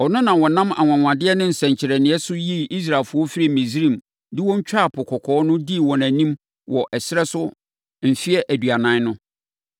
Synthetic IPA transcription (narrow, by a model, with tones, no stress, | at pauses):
ɔ˨nʊ̃˦nã˨wɔ˨nã˦ma̰˨ŋʷ˨ã˨ŋʷ˨ã˨dɪ˦ɛ˦nɪ̃˦n̩˨sɛ̃˨ɲ˨t͡ɕʰɪ˨ɾɛ˨nɪ̃˨˦ɛ˦sʊ˦ji˦˨ʔi˦s̬ɾa˨lfʊ˦ɔ˦fi˦ɾi˦˨mẽ˨zɾĩ˦˨m | dɪ˦wɔ̃˦ɲ̩˦t͡ɕᶣa˦˨pʰʊ˨kʰɔ˨kʰɔː˨˦nʊ̃˦di˦˨wɔ̃˨næ̃˨nĩ˦m | wɔ˨ʔɛ˨sɪ˦ɾɛ˦sʊ˦ | m̩˨fi˦ɛ˦ʔæ˨du˨a˨nã˨˦nʊ̃˦